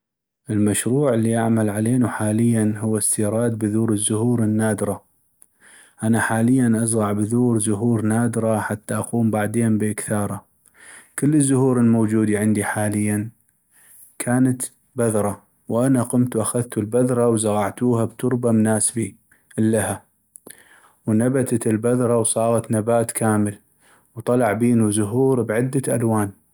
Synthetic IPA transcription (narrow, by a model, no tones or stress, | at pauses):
ʔəlmaʃɾuːʕəlːiʔaʕmalʕaleːnuħaːləjːanɦʊwːast̪iːɾˤɑːd̪̚bɪðuːɾəzːʊhuːɾɪnːaːd̪ɾˤɑ | ʔanaħaːləjːanʔazˤɣɑʕbðuːɾzʊɦuːɾnaːd̪ɾˤɑħat̪ːaʔɑquːmbaʕd̪eːnbəʔɪkθɑːɾˤɑ | kəlːəzːʊhuːɾɪlmoːd͡ʒuːd̪iʕɪnd̪iħaːlɪjːan | kʰaːnat̪ | baðɾˤɑ | wʔanaqʊmt̪uwʔaxaðt̪ulbaðɾˤɑwzaɣɑʕt̪uːhabt̪ʊɾbamnaːsbi | ʔlːaha | wnabat̪at̪ɪlbaðɾˤɑwsˤɑːɣɑt̪nabaːt̪kʰaːməl | wt̪ˤɑlɑʕbiːnuzʊɦuːɾbʕɪd̪ːaʔa̰lwaːn